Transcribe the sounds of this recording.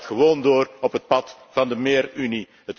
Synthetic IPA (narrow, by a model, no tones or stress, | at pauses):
txəʋoːndoːrɔpɦət̚pɑt | v̥ɑndəmeːryni | ɦət